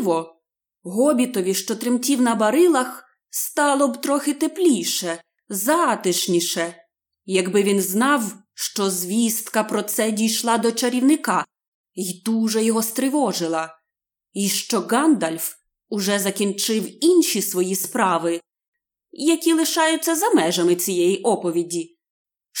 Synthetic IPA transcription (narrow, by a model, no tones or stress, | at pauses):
ʋɔ | ɦɔbʲit̪ɔʋʲiʃt͡ʃɔt̪ɾɪmtʲiwnɐbɐɾɪlˠɐx | st̪ɑlˠɔbt̪ɾɔxɪt̪eplʲijʃɛ | zɑt̪ɪʃnʲiʃɛ | jɐɡbɪʋʲinznɑw | ʃt͡ʃɔzʲʋʲist̪kɐpɾɔt̪sɛdʲijʃlˠɑd̪ɔt͡ʃɐɾʲiwnɪkɑ | id̪uʒɛjɔɦɔst̪ɾɪʋɔʒɪlˠɐ | iʃt͡ʃɔɡɑnd̪ɐlʲf | ʊʒɛzɐkʲint͡ʃɪwinʃʲisʋɔjispɾɑʋɪ | jɐkʲilˠɪʃɑjʊt͡sʲːɐzɐmɛʒɐmɪt͡sʲijɛjiʔɔpɔʋʲidʲi